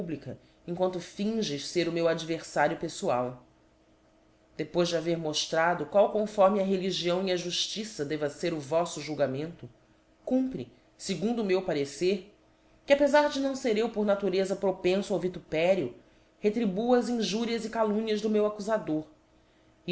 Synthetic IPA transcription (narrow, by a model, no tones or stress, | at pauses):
ublikɐ | ẽŋkwɐ̃nt̪ʊfĩʒɪʃseɾʊmewad͡ʒiveɾsaɾjʊpesua̰w | d̪̥epojzd͡ʒɪaveɾmoʃt̪ɾad̪ʊkwawkõfɔɾmiɐɦeliʒiɐ̃w̃iɐʒuʃt͡ʃisɐd̪ɛvɐseɾʊvɔsʊʒuwɡamẽnt̪ʊ | kũmpɾḭ | seɡũnd̪ʊːmewpaɾeseɾ | kɪapezaɾd͡ʒɪnɐ̃w̃seɾewpoɾnat̪uɾezɐpɾopẽsʊawvit̪upɛɾiu | het̪ɾibuɐzĩʒuɾiɐzikalũɲɐzd̪ʊmewakuzad̪oɾ